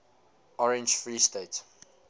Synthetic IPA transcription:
ɔɹɛ̃nd͡ʒfɹiːstet

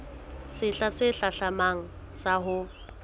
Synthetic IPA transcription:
sɪɬasɪɬaɬamaŋ̩ | saɦʊ

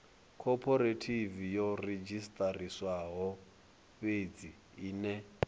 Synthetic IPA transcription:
kʰɔpʰɔɾetʰivijɔred͡ʒistʼariswaɦɔ | ɸed͡zi | iːnɛ

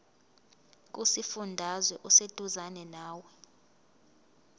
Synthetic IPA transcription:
k̬ʼusifundʱazwɛʔused̥ʱuzanɛnaːwɛ

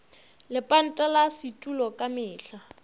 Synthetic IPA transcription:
lɪpʼan̩tʼalasitʼulɔkʼamɪːɬa

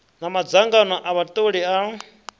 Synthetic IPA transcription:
namad͡zaŋɡanɔʔaβat̪ʼoɺia

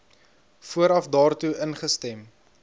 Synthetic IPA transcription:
fuəɾɐfdɑːrtuənχəstɛm

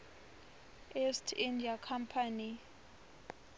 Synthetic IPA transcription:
ɛstʰindiakʰampʰani

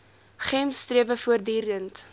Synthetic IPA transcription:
χɛmstriəvəfuərdiːrdənt

